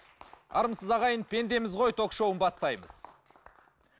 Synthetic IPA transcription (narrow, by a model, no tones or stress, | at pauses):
ɑ̰ɾəmsəzɑʁɑjənpʰe̞nd̪e̞mɪzʁo̞jt̪ʰo̞kʃo̞wənbɑst̪ɑjmə̰z̥